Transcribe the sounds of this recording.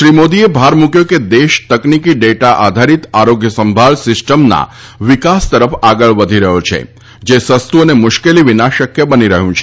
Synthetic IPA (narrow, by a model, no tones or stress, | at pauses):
ʃɾimod̪iebʱaɾmũkjoked̪eʃt̪əknikiɖeʈaʔad̪ʱaɾit̪aɾoɡjəsəmbʱaɭsɪsʈəmna̰ | ʋɪkast̪əɾəfaɡəɭʋəd̪ʱiɾəɦot͡ʃʰḛ | d͡ʒesəst̪uənemʊʃkeliʋinaʃəkjəbəniɾəɦũt͡ʃʰe̥